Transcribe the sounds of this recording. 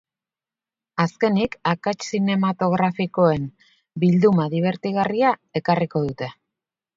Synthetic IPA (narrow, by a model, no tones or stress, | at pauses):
aske̞nikakat͡ʃsine̞mat̪o̞ɣɾafiko̞e̞m | bild̪umaðiβ̞e̞ɾt̪iɣariae̞kariko̞ðut̪e̞